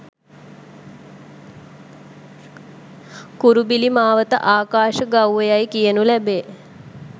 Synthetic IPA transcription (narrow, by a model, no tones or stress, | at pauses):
kuɾubilimaːʋət̪ə̰ʔaːkaːʃəɡawʋejajkijənulæbeː